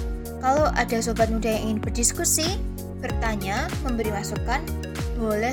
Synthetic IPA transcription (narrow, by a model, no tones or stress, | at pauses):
kaloʔada̤sobat̪̚mudajaŋʔiŋɪnb̥ərdiskusi | b̥ərt̪aɲaməmbəɾimasukan | bolɛ